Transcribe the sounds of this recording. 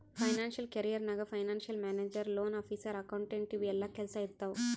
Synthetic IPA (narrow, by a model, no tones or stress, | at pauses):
pʰɐjnaːnʃɐlkɐɾijɐɾnɐɡɐpʰɐjnaːnʃɐlmaːneːd͡ʒɐɾloːnaːpʰiːsɐɾɐkɐwɳʈeɳʈiʋɛlːaːkelsɐjit̪ːaːwu